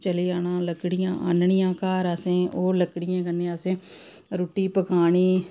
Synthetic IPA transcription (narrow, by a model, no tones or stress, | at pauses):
t͡ʃəliːaːnãːləkɽɪjãːʔa̰nɳɪjãːkaːɾəsẽːʔoːləkɽɪjãːkənːẽːəsẽː | ɾuːʈːiːpəkaːɳiː